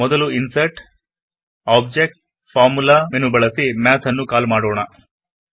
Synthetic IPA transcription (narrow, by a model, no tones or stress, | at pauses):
mɔd̪ɐluinsɐʈ | aːb̚d͡ʒek̚ʈ | fʰaːɾmulamenubɐɭɐsimaːt̪ʰɐnːukaːlmaːɽoːɳɐ